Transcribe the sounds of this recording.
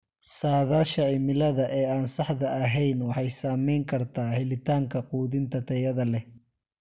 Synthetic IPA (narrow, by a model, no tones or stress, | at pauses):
saːðaːʃɐʕɪmɪlɐðɐʔɛːaːnsɑħðɐːɦɛjnwɑħɑjsaːmɛjŋkʰɐrt̪ʰaːhɪlɪt̪ʰaːŋkʰɐquːðɪnt̪ʰɐt̪ʰɛjɐðɐlɛ